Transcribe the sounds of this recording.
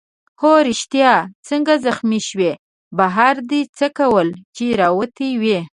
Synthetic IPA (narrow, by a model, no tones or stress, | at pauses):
xoɾɪʃt̪jɑt͡səŋɡazaxmiʃwe | baɦaɾd̪it͡səkawəlt͡ʃeɾɑwət̪iwe